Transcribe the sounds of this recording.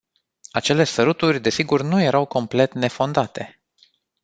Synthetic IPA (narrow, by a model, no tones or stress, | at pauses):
at͡ʃe̞le̞səɾut̪urʲd̪e̞siɡurnuje̞ɾawko̞mple̞t̪ne̞fo̞nd̪at̪e̞